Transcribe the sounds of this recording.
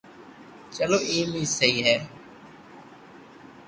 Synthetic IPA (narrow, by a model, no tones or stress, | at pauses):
t͡ʃəloːʔiːmiːsəɦiːɦɛː